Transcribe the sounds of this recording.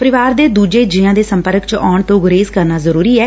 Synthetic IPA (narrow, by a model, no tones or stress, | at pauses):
pəɾɪʋaːɾd̪eːd̪uːd͡ʒeːd͡ʒɪãːd̪eːsəmpəɾəkt͡ʃɔːɳt̪õːɡʊɾeːzkəɾnaːzəɾuːɾiːɛː